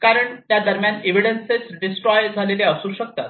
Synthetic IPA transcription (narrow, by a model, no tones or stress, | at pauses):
kaɾəɳt̪jad̪əɾmjaneʋiɽenset͡sɖisʈɾɔjd͡zʱaleleəsuːɕək̚t̪at̪